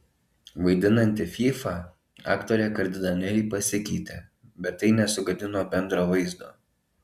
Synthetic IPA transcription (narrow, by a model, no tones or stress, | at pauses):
ʋɐɪd̪ʲɪnɐnʲt̪ʲɪfʲifɑ | ɑ̰ːkt̪oːɾʲɛkɐɾʲd̪ʲɪd̪ɐnʲɛlʲɪpɐsʲɪkʲɛɪt̪ʲeːbʲɛt̪ːɐɪnʲɛsʊɡɐd̪ʲɪnoːbʲɛnd̪ɾoːʋɐɪzd̪oː